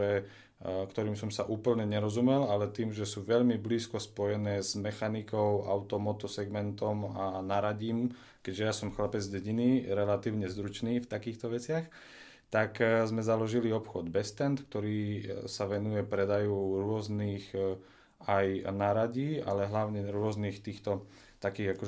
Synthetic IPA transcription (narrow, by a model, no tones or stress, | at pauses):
ɛ | kt̪ɔɾiːmsɔmsaʔuːpl̩ɲɛɲɛɾɔzumɛlalɛt̪iːmʒɛsuːʋɛʎmibliːskɔspɔjɛnɛːzmɛxanikɔʊʔa̰ʊt̪ɔmɔt̪ɔsɛɡmɛnt̪ɔmanaɾaɟiːm | kɛɟʒɛjasɔmxlapɛd͡zɟɛɟiniɾɛlat̪iːʊɲɛzd̪ɾut͡ʃniːft̪akiːxt̪ɔʋɛt͡sɪax | t̪akzmɛzalɔʒiliɔpxɔd̪bɛst̪ɛnt̪k̚t̪ɔɾiːsaʋɛnujɛpɾɛd̪ajuːɾʊɔzniːx | ajnaɾaɟiːa̰lɛɦlaʊɲɛɾʊɔzniːxt̪iːxt̪ɔ | t̪akiːɣakɔ